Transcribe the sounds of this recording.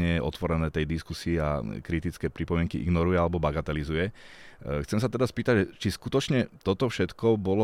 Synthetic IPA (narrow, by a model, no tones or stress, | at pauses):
ɲɛʔɔ̰t̪ʋɔɾɛnɛːt̪ɛjd̪iskusiːa̰kɾit̪it͡skɛːpɾipɔmɪɛŋkiʔḭɡnɔɾujɛalɛbɔbaɡat̪ɛlizujɛ | xt͡sɛmsat̪ɛd̪aspiːt̪aɟʒɛt͡ʃiskut̪ɔt͡ʃɲɛt̪ɔt̪ɔfʃɛt̪kɔbɔlɔ